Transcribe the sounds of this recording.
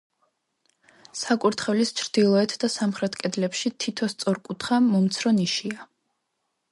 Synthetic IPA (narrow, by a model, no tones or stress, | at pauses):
sakʼuɾt̪ʰχɛvlist͡ʃʰɾd̪̥ilˠɔɛt̪ʰd̪asamχɾɛt̪ʰkʼɛd̪lɛpʃit̪ʰit̪ʰɔst̪sʼɔɾkʼut̪ʰχamɔmt̪sʰɾɔniʃia